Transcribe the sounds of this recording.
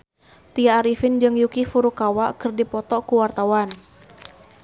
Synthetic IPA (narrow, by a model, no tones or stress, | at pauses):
t̪iaːɾifind͡ʒɨŋjukifuɾukawakɨrdipɔt̪ɔkuwart̪awan